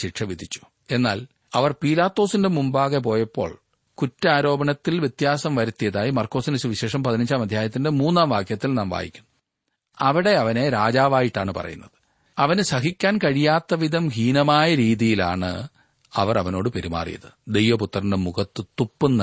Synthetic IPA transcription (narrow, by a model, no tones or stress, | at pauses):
ɕiʈʂɐʋid̪ʱit͡ɕːu̥ | e̞nːaːl | ɐʋɐrpiːlaːt̪ːo̞ːsinde̞mumbaːɣep̬o̞ːjɐpːo̞̰ːɭ | kutːɐaːɾo̞ːbɐɳɐt̪ːilʋje̞t̪jaːsɐmʋɐɾut̪ːijɐðaːjimɐrkːo̞ːsinɐsuʋiɕe̞ːʂɐmpɐðinɐɲd͡ʑaːmɐd̪ʱjaːjɐt̪ːindemuːnːaːmʋaːkʰjɐt̪ːilnaːmʋa̰ːjḭkʲːunː | ɐʋiɽe̞ɐʋɐne̞ɾaːd͡ʑaːʋaːjiʈːaːɳɨpɐ̰rɐ̰junːɐðɨ̥ | ɐʋɐnɨsɐɦikʲːaːnkɐɻijaːt̪ːɐʋid̪ɐmɦiːnɐmaːjɐɾiːðijila̰ːɳɨ̰ | ɐʋɐrɐʋɐno̞ːɽɨpe̞ɾima̰ːrḭjɐ̰ðɨd̪e̞jʋɐput̪ːɐrɐɳɖɐmuɣɐt̪ːɨt̪upːɨnːɐ